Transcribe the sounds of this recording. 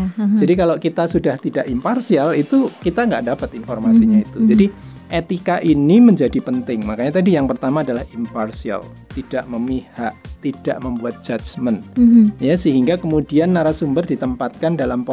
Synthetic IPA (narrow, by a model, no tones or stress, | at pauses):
d͡ʒadikalokit̪asudaht̪idaʔimparsialit̪ukit̪aŋɡa̰ʔdapat̪infɔrmasiɲait̪ud͡ʒadi | ʔet̪ikaʔiniməɲd͡ʒadipənt̪ɪŋmakaɲat̪adijaŋpərt̪amaːdalahimparsia̰l | t̪id̥aʔməmihaʔt̪id̥a̰ʔməmbuat̪̚d͡ʒat͡ʃmənjasəɦiŋɡakəmudianːaɾasumbərdit̪əmpat̪̚kandalamp